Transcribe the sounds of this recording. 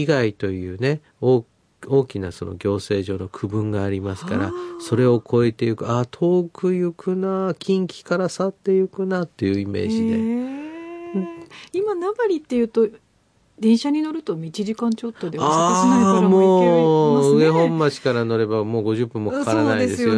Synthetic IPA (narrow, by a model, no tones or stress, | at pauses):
iɡait̪o̞jɯ̟ːne̞ | oː | o̞ːkʲinaso̞̰no̞̰ɡʲo̞ːse̞ːʑo̞ːno̞kʰɯ̟bɯ̟̃ŋɡaːɾʲimasɨ̥ka̰ɾaso̞ɾe̞o̞kʰo̞e̞t̪e̞jɯ̟kɯ̟at̪ʰo̞ːkɯ̟jɯkʰɯ̟nakʲĩŋkʲi̥kaɾasat̪ːe̞jɯ̟kɯ̟nat̪ːe̞jɯ̟ːime̞̰ːʑid̪e̞ | imanaɡaɾʲit̪ːe̞jɯ̟ːt̪o̞ | d̪ẽ̞ɰ̃ɕaɲ̟ino̞ɾɯ̟t̪o̞mʲit͡ɕiʑikãɲt͡ɕo̞t̪ːo̞d̪ea | mo̞ː | ɯe̞ɦõ̞mːat͡ɕi̥kaɾano̞ɾe̞bamo̞ːɡo̞ʑɨpːɯ̃mːokakaaɾanaid̪ed̪es